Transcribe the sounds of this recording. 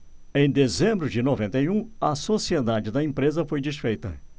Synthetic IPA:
ẽj̃d̪ezẽmbɾʊd͡ʒɪnovẽnt̪ɐjũɐsosied̪ad͡ʒɪd̪ɐẽmpɾezɐfojd͡ʒisfejt̪ɐ̰

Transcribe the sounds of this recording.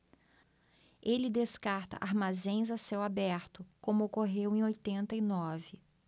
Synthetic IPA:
elɪd̪eskaɾt̪ɐ̰ʔaɾmazẽj̃zasewabɛɾt̪ʊkõmʊokoɦewẽj̃ojt̪ẽnt̪ɐinɔvɪ

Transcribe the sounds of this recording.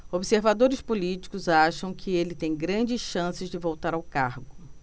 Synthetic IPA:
obɪseɾvad̪oɾɪspulit͡ʃi̥kʊzaʃɐ̃w̃kʰɪelɪt̪ẽj̃ɡɾɐ̃d͡ʒɪsʃɐ̃sɪzd͡ʒɪvowt̪aɾawkaɾɡʊ

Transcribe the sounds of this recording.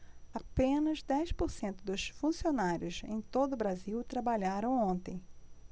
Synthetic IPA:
apẽnɐzd̪ɛjʃpoɾsẽnt̪ʊd̪ʊsfũsionaɾjʊzẽj̃t̪od̪ʊbɾaziwt̪ɾabaʎaɾɐ̃w̃õnt̪ẽj̃

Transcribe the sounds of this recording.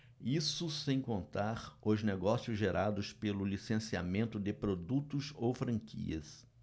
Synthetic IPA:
isʊsẽj̃kõnt̪aɾʊzneɡɔsiʊzʒeɾʔad̪ʊspelʊlisẽsia̰mẽnt̪ʊd̪ɪpɾod̪ut̪ʊzowfɾɐ̃ŋkʰḭɐ̰s

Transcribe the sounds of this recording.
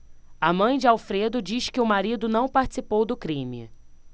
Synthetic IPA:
amɐ̃j̃d͡ʒɪawfɾed̪ʊd͡ʒiʃkɪʊmaɾid̪ʊnɐ̃w̃paɾt͡ʃɪ̥sipowd̪ʊkɾĩmɪ̰

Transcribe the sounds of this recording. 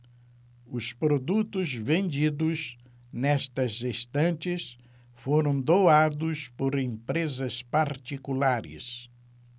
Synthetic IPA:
ʊspɾod̪ut̪ʊzvẽnd͡ʒid̪ʊz | nɛst̪ɐzest̪ɐ̃nt͡ʃɪs | foɾɐ̃w̃d̪owad̪ʊspoɾẽpɾezɐspaɾt͡ʃ̪ikulaɾɪ̰s

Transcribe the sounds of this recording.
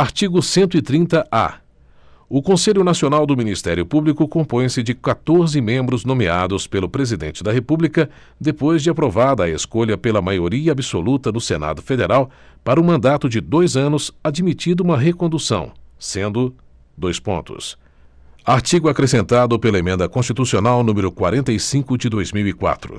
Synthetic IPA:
aɾt͡ʃiɡʊsẽnt̪ʊit̪ɾĩnt̪ɐʔa̰ | ʊkõseʎʊnasionawd̪ʊminist̪ɛɾjʊpublikʊkõpõj̃sɪd͡ʒɪkat̪oɾzɪmẽmbɾʊznõmia̰d̪ʊspelʊpɾezid̪ẽnt͡ʃɪd̪ɐɦepublikɐ | d̪epojzd͡ʒɪapɾovad̪ɐːḛskoʎɐpelɐmajoɾiɐabiso̰lut̪ɐnʊsena̰d̪ʊfed̪eɾaw | paɾɐũmɐ̃nd̪at̪ʊd͡ʒɪd̪ojzɐ̃nʊsad͡ʒmit͡ʃid̪ʊũmɐɦekõnd̪usɐ̰̃w̃sẽnd̪ʊ | d̪ojspõ̰nt̪ʊ̰s | aɾt͡ʃiɡʊakɾesẽnt̪ad̪ʊpelɐemẽnd̪ɐkõst͡ʃit̪usionawnũmeɾʊkwa̰ɾẽnt̪ɐjsĩkʊd͡ʒɪd̪ojzmiwikwa̰t̪ɾʊ̰

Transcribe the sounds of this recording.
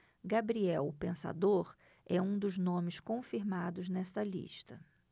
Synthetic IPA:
ɡabɾiɛwpẽsa̰d̪oɾ | ɛũd̪ʊznõmɪskõfiɾmad̪ʊznɛst̪ɐlḭʃt̪ɐ

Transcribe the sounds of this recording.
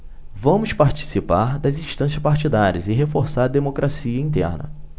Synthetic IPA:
vɐ̃mʊspaɾt͡ʃi̥sipaɾd̪ɐzĩʃt̪ɐ̃s̬jɐspaɾt͡ʃid̪aɾiɐzɪɦefoɾsaɾd̪emokɾasiɐĩnt̪ɛ̰ɾnɐ̰

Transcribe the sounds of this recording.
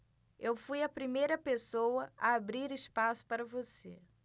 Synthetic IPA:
ewfujɐpɾimejɾɐpesowɐaabɾiɾɪspasʊ̥paɾɐvosḛ

